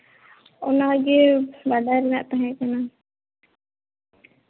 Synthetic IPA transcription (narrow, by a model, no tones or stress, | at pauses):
ʊnaɡebadʱaɾɛnaʔt̪aɦɛ̃kana